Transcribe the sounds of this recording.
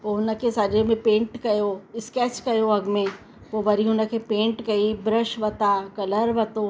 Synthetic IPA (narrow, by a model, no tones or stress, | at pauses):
poːɦʊnə̆kʰesad͡ʑemẽpẽːɳʈkɐjoɪskɛːt͡ɕkɐjoɐɡmẽ | poːʋɐɾiɦʊnə̆kʰepẽːɳʈkɐibɾəʃʋɐt̪akɐləɾʋɐt̪o